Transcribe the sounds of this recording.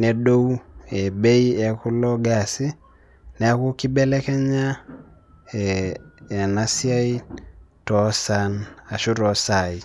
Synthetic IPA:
nɛ˨ɗo˦we˨be˦i˦ɛ˨ku˦lɔ˦ɡa˨si˦ | nɛ˨a˦ku˦ki˦bɛ˦lɛ˦kɛ˦ɲa˦ | ɛː˨ | na˨sja˦i˦tɔ˨˦sa˨na˨ʃu˦ɾɔ˨sa˨i˨

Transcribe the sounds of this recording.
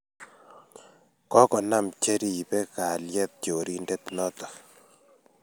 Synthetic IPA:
kɔ˦kɔ˨na˦˨mt͡ʃe˦ɾi˦˨bɛ˦ka˨ljɛ˦t̪̚t͡ʃo˨ɾi˦nde˦t̪nɔ˦t̪ɔ̥˨

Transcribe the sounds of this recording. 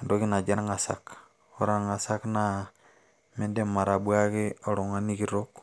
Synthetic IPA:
ndo˦ki˦na˨d͡ʒa˦n˦ŋa˨sa̰k | o˦ɾa˦nŋa˨sakna | me˦nde˦ma˨ɾa˨ɓwa˦ki˦o˨ɾo˨ŋa˦ni˦kiɾok

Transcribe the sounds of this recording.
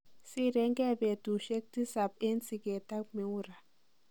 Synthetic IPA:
si˦ɾɛ˦ŋɡɛ˦βe˨tu˨ʃe˦k̚ti˦sa˨pe˦nt͡si˨kɛ˨ta˦kme˨˦u˦ɾa˨

